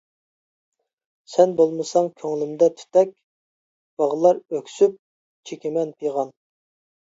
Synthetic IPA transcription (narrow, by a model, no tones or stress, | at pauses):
sɛnbolˠmɨsɑŋkʲʰøŋlɪmd̪ɛt̪ʰy̥t̪ɛk̚ʲ | b̥ɑʁəlˠɑɾøkʲsyp̚ | t͡ʃʰekʲɪmɛnpʰijʁɑn